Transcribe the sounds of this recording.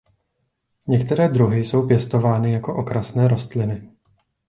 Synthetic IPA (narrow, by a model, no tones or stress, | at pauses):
ɲɛkt̪ɛɾɛːd̪ɾuɦɪso̞wpjɛst̪o̞vaːnɪjako̞ʔo̞kɾasnɛːɾo̞st̪lɪnɪ